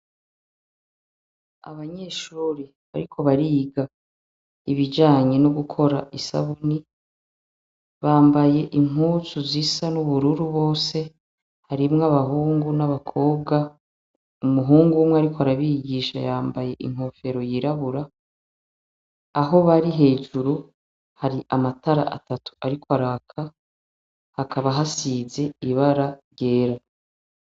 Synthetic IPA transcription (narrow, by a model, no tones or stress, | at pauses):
a̰βaɲe̞ːʃuːɾi | βa̰ɾikʰo̞βaɾiːɡa | iβid͡ʒaːɲe̞nuɡukʰo̞ɾaʔisa̰βuni | βaːmbaje̞ʔiŋuːt͡suzisanuβuɾuɾuβo̞ːse̞ | haɾimŋaβaɦuːŋɡunaβakʰo̞ːbɡa | umuɦuːŋɡumweaɾikoaɾaβiɟiːʃa̰jaːmbaje̞ʔḭŋ̥o̞fe̞ɾo̞jiɾaβuɾa | ɦo̞βaɾiɦe̞ːʒuɾu | haɾiʔamataɾa̰ʔa̰tatu̥aɾikwaɾakʰa | hakaβaɦasize̞iβaɾaɾɟe̞ːɾa